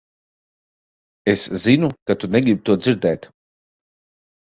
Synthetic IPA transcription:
eszinukat̪unɛɡɾib̚t̪uɔd̪ziɾd̪ɛːt̪

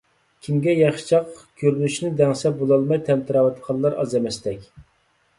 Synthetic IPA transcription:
kʲʰimɡʲɛjɑχʃt͡ʃʰɑqkʲʰøɾynyʃnɪd̪ɛŋsɛbolˠɑlˠmɑjt̪ʰɛmt̪ʰɨɾɑːwɛt̪qʰɑllˠɑɾɑ̰zɛmɛst̪ɛkʲ

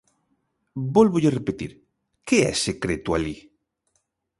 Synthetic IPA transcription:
bolβoʎerepet̪ḭɾ | keɛ̰sekɾet̪uali

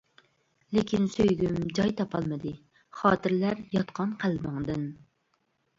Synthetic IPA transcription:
lekʲʰinsøjɡʲymd͡ʒɑjt̪ʰɑpʰɑlˠmɨd̪ɨ | χɑːt̪ɨɾlæɾjɑt̪qʰɑnqʰælbɨŋd̪ɨn

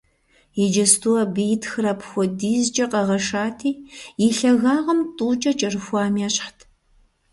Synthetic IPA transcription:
jɛd͡ʒɐstʰuɐbɨjtʰxɨɾɐpʰxʷɔdiːzd͡ʒʼɐqʼɐʁɐʂaːtʰiːjɪɬɐɣaːʁɐmtʼuːt͡ʃʼɐt͡ʃʼɐrɨxʷaːmiaːɕħtʰ

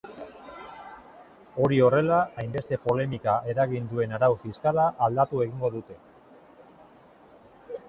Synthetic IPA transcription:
o̞ɾio̞re̞laajmbe̞st̪e̞po̞le̞mikaʔe̞ɾaɣind̪ue̞naɾawfiskalaʔːld̪at̪ue̞ɣ̞iŋɡo̞ðut̪e̞

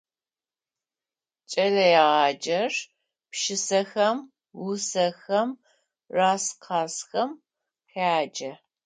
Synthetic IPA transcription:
t͡ʃʼɐlɐjaʁɑːd͡ʒɐr | pʃɪsɐxɐm | wʊsɐxɐm | raːsqʰɑːsxɐm | ħaːd͡ʒɐ

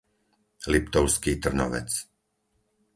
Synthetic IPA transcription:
lipt̪ɔʊskiːt̪r̩nɔ̰ʋɛ̰t͡s

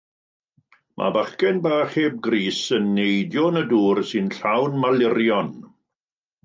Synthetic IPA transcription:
mʔa̰baχkɛnbaːχheːb̚ɡriːsənːejdjɔnəduːrsɪnɬawnmalɪrjɔn

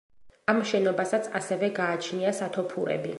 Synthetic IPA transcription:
amʃɛnɔbasat̪sʰasɛvɛɡaːt͡ʃʰniasat̪ʰɔpʰuɾɛ̰bḭ

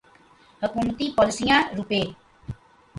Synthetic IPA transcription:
həkumt̪ipɔlsijãɾupeː

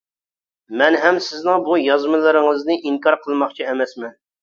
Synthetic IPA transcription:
mɛnɦɛmsɪznɪŋbujɑzmɨlˠɪɾɪŋəznɨʔiŋkɑɾqʰəlˠmɑχt͡ʃʰiɛmɛsmɛn

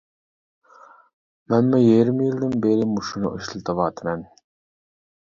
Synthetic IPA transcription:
mɛnmujeɾɪmjilˠd̪ɪnbeɾɪmuʃunʊ̰ʔiʃlˠɨt̪ʰɑvɑːt̪ʰmɛn

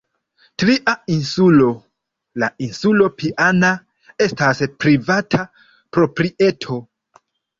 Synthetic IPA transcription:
tɾiʔainsulo̞ | lainsulo̞piʔana | e̞staspɾivatʰa | pɾo̞pɾiʔe̞tʰo̞

